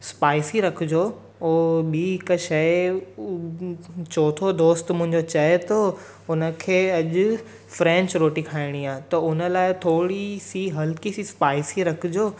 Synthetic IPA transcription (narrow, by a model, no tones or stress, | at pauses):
spaːɪsiɾɐkʰʊd͡ʑoː | oːɓiɦɪkəʃɐɪ | t͡ɕoːt̪ʰod̪oːst̪mʊ̃ɦɪ̃ɲd͡ʑot͡ɕɐt̪ʰo | ʊnə̆kʰeːɐʄʊ̆ | fɾɛ̃ːɲt͡ɕɾoːʈikʰaːɪɽ̃iaːɦẽt̪ɐʊnə̆laːɪt̪ʰoːɽisiɦɐlkisispaːɪsiɾɐkʰʊd͡ʑoː